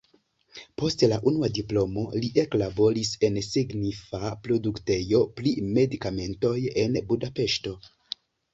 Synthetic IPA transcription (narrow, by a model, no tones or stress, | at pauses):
po̞stlaʔunuadiplo̞mo̞liʔe̞klabo̞ɾise̞nsiɡnifapɾo̞dukte̞jo̞pɾime̞dikame̞nto̞je̞nbudape̞ʃto̞